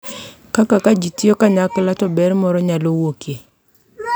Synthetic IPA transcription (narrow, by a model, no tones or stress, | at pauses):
kakakad͡ʒitiɔkaɲaklatɔbɛɾmɔɾɔɲalowokʰe